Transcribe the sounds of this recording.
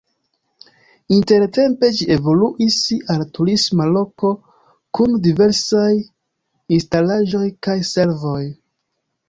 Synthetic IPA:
inte̞ɾte̞mpe̞d͡ʒie̞vo̞luʔisaltuɾismalo̞ko̞ | kundive̞ɾsaj | instalaʒo̞jkajse̞ɾvo̞j

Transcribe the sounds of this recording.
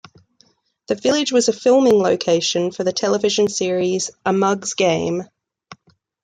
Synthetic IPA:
ðəvɪlɪd͡ʒwɒzəfɪlˠmɪ̃ŋləʊkʰeɪʃə̃nfəðətʰɛlˠəvɪʒə̃nsɪəɹiz̥ʔəmʌɡzɡẽɪ̃m

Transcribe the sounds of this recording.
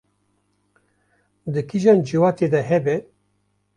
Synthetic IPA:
d̪ɨkʰiʒɑːnd͡ʒiwɑːt̪ed̪ɛɦɛbɛ

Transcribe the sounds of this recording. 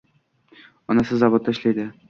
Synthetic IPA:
ɒnasɪzːɒvot̪ːaɪʃlajd̪ɪ

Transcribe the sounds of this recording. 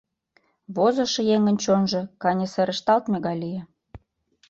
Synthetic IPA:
βozə̆ʃɤ̆jeŋə̆nʲt͡ɕonʒɤ̆kɑnʲeseɾə̆ʃt̪ɑlt̪mʲeɣɑjlʲijĕ

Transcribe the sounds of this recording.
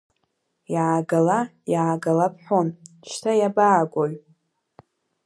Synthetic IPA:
jaːɡalajaːɡalapʰħʷon | t͡ʃʰtʰajabaːɡʷʼoɥ

